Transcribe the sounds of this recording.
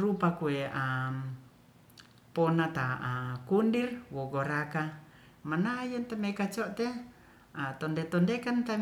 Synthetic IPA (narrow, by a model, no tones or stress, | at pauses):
ɾupakueam | pɔnat̪aakundirwoɡɔɾaka | manajɔnt̪amekat͡ʃɔʔt̪e | at̪ɔndet̪ɔndekant̪a